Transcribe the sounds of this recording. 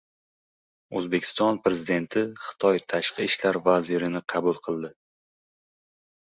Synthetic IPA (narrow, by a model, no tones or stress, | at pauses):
ɵzbe̞kʲʰɪ̥st̪ɒnpɾe̞zɪd̪e̞nt̪ʰɪχɨ̥t̪ʰɒjt̪ʰaʃqʰɨɪʃlaɾvaziɾɪnɪqʰɑbʊlˠqʰɨlˠd̪ɪ